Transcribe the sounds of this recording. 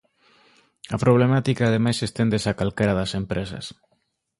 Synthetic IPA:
ɐpɾoβ̞lemat̪ikaːð̞emajsest̪end̪esakalkeɾaðɐsempɾesɐ̰s

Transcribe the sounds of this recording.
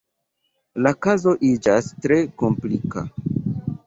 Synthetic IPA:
lakazo̞ʔid͡ʒastɾe̞ko̞mplika̰

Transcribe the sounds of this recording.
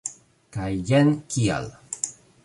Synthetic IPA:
kajjɛnkʰia̰l

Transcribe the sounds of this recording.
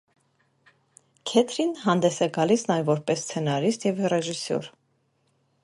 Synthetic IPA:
kʰɛt̪ʰɾinhɑnd̪ɛsɛɡɑlisnɑjɛvɔɾpɛsːt͡sʰɛnɑɾist̪jɛvrɛʒisɔ̰ɾ

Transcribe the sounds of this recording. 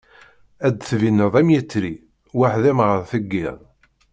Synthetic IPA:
æd̪θvinːəðˤæmjət͡sːɾi | waħðæmʁəɾθəɡːɪðˤ

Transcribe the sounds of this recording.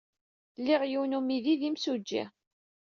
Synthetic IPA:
lːiʁjiwnumiðiðimsud͡ʒːḭ

